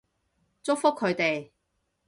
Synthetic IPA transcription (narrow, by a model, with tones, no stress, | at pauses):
t͡sʊ˥k̚fʊ˥kʰːɵ˨˧ɥt̪e˨j